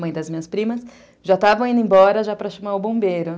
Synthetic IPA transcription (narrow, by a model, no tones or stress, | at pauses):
mɐ̃j̃d̪ɐzmĩɲɐspɾĩmɐs | ʒat̪avɐ̃w̃ĩnd̪ʊẽj̃bɔɾɐʒapɾɐʃɐmaʊbõbejɾʊ